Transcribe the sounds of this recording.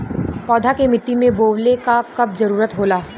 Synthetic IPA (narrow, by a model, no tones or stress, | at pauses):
pɔːd̪ʱakemɪʈːimẽboːwlekakɐb̚zɐɾuːɾət̪ɦoːlaː